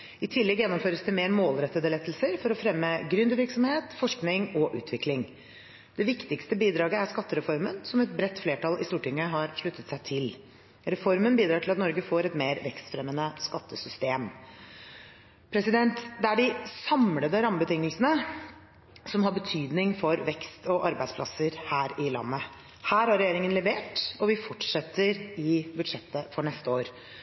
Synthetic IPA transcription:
ɪt̪ʰɪlːɛɡjɛnːɔmføːɾəsd̪ɛmeːɾmoːlɾɛt̪ːəd̪əlɛt̪ːəlsəɾfɔɾɔfɾɛmːəɡɾʉnd̪əʋɪɾksɔmheːt̪fɔʂknɪŋɔʔʉ̰ːt̪ʰʋɪklɪŋ | d̪̥ɛʋɪkt̪ɪkst̪əbiːd̪ɾɑːɡəæɾskɑt̪ːəɾɛfɔɾmənsɔmɛt̪̚bɾɛt̪ːfleːʈɑlɪst̪uːʈɪŋːəɦɑɾʂɭʉt̪ːət̪sæɪt̪ʰɪl | ɾɛfɔɾmənbiːd̪ɾɑːʈʰɪlɑt̪nɔɾɡəfoːɾɛt̪meːɾʋɛkst̪fɾɛmːənəskɑt̪ːəsʏst̪eːm | pʰɾɛsɪd̪ɛnt̪d̪ɛæɖɪsɑmləd̪əɾɑmːəbət̪ɪŋːəlsənə | sɔmɦɑɾbət̪ʰyːd̪nɪŋfɔɾʋɛkst̪ɔʔɑɾbæɪd̪spʰlɑsəɾhæːɾɪlɑ̰nːə | hæːɾhɑɾɛjeːɾɪŋənlɛʋeːʈɔʋɪfɔʈʂɛt̪ːəɾɪbʉd̪ʂɛt̪ːəfɔɳɛst̪əoːɾ

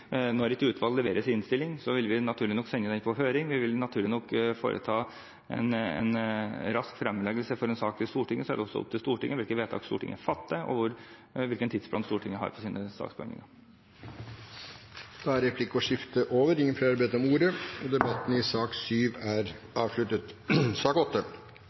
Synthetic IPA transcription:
nɔɾɛt̪ʉːt̪ʋɑllɛʋeːɾəsɪɪnst̪ɪlːɪŋsɔʋɪlʋɪnɑt̪ʰʉːɭɪnɔkːsɛnːənɛnfʰɔɦøːɾɪŋʋɪʋɪlnɑt̪ʰʉːɭɪnɔkːfo̰ːɾʔə̰t̪ʰɑː | ɛ̰nɛ̰nɾɑskfɾɛmːlɛːɡəlsəfɔɾɛnsɑːk̚t̪ʰɪlst̪uːʈɪŋːəsɔæɖɛɔsːɔ̰ʊ̰p̚t̪ʰɪlst̪uːʈɪŋːəʋɪlkəʋeːt̪ʰɑ̰ːkst̪ṵːʈʰɪ̰ŋːəfɑt̪ːəʔɔ̰ʋʊɾ | ʋɪlkənt̪ʰɪːd̪spʰlɑ̰nst̪uːʈʰɪŋːəɦɑ̰ɾpʰɔsiːnəsɑ̰ːkspʰɔɛ̰ŋɪ̰ŋɑɾ | d̪̥ɑæɾɾɛpʰlɪkːɔʂɪft̪əʔoːʋəɾɪŋːənflɑɾbæɪd̪əɔmuːɾəɔd̪ɛbɑt̪ːn̩ɪsɑːksyːʋæɾ | ɑːʋʂlʉt̪ət̪sɑːkɔt̪ːə

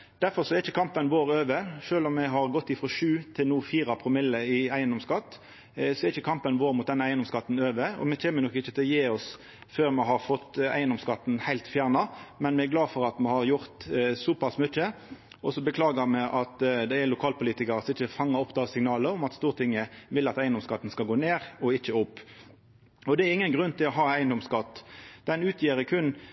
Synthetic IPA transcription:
d̪̥æɾfɔɾsɔɛɾɪçəkʰɑmpənʋoːɾøːʋəʃøːlɔmːɛɦɑɾɡɔt̪ːɪfɾɔʃʉːt̪ʰɪlnuːfiːɾɑpʰɾʊmɪlːəɪæɪənd̪ɔmskɑt̪ː | sɔɛɾɪçəkʰɑmpənʋoːɾmʊt̪̚d̪ɛnəæɪənd̪ɔmskɑt̪ːn̩øːʋəɔ̰mɛc͡çeːmənɔkːɪçːət̪ʰɪlɔjeːɔs | føːɾmɛɦhɑɾfɔt̪ːæ̰ɪənd̪ɔmskɑt̪ːn̩hæɪlt̪fjæːʁnɑmɛnmɛɛɾɡlɑːdfɔʁɑt̪mɛhɑɾjʊʁt̪sɔpʰɑsmʏçːə | ʔɔsɔbəkʰlɑːɡəmɛʔɑt̪d̪ɛɛlʊkʰɑːlpʊliːt̪ɪkɑɾəsɪçːəfɑŋːəɔpːd̪ɑːsɪŋnɑːləɔmɑt̪st̪uːʁət̪ʰɪŋːəʋɪlɑt̪æɪənd̪ɔmskɑt̪ːən̩skɑlɡoːneːʁɔɪt͡ʃːəʊpː | ɔd̪ɛɛɾɪŋːənɡʁʉnt̪ɪlɔɦɑːæɪənd̪ɔmskɑt̪ːd̪̥ɛnʉːt̪ʰjiːɾəkʰʉn

